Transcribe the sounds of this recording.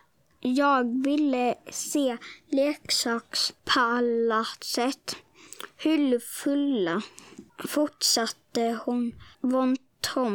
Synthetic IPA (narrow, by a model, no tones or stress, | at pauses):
jɑːɡvɪlːəseːleːksɑːkspʰalat̪sɛt̪ː | hʉlfɵlːa | fʊʈʂat̪ːəhʊnvɔnt̪hɔm